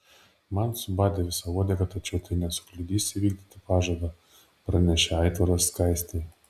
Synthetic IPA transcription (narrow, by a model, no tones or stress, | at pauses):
mɐnsʊbɑːd̪ʲeʋʲɪsɐʋoːd̪ʲekɐt̪ɐt͡ʃʲɛʊt̪ɐɪnʲɛsʊ̥klʲʊd̪ʲiːsʲɪʋʲiːɡ̚d̪ʲɪt̪ʲɪpɑːʒɐd̪ɐ | pɾɐnʲɛʃʲɛɑɪt̪ʋɐɾosːkɐɪsʲt̪ʲɛɪ